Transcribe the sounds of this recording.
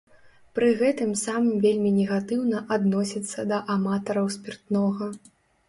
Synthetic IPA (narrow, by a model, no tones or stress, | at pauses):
pɾɨɣɛt̪ɨmsamɨmvʲelʲmʲinʲɛɣat̪ɨwnɐʔad̪nɔsʲit̪sːɐd̪ɐʔamat̪ɐɾɐwsʲpʲirt̪nɔɣɐ